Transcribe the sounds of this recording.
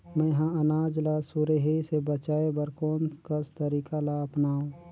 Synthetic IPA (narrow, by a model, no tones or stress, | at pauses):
mɛ̃ɦãɐnaːd͡ʒlasuɾeɦisebət͡ʃaːebəɾkoːnskəst̪əɾiːkalaɐpnaːũː